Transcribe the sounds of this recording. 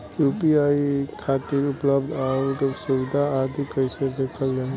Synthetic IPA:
juːpiaːikʰaːt̪iːɾʊpləbd̪aːɾʈ̪osuʋɪd̪ʱaaːd̪ʱikəɪsed̪eːkʰəld͡ʒaː

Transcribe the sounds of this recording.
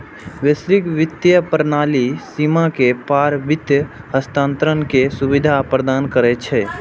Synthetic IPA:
ʋesɾɪkʋɪt̪jəpəɾnaːlisimakepaːɾʋɪt̪jəɦəst̪ãːnt̪əɾənkesubɪd̪ʱapɾəd̪aːnkəɾɛt͡ʃʰɛː

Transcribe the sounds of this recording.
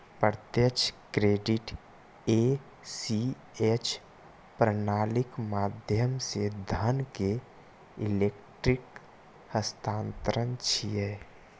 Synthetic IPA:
pəɾt̪jət͡ʃʰkɾeːɖɪʈ | e | si | et͡ʃʰ | pɾənaːlɪkmaːd̪ʱjəmsed̪ʱənke | ɪleːkʈɾɪk | həst̪aːnt̪əɾənt͡ʃʰieː

